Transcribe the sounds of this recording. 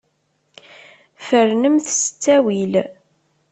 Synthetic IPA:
fəɾnəmθsə̥t͡sːæwil

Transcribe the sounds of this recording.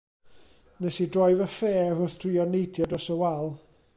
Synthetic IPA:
nɛsidrɔɨvəfeːvʊθtʰriɔnejdʰjɔdɔsəwalˠ

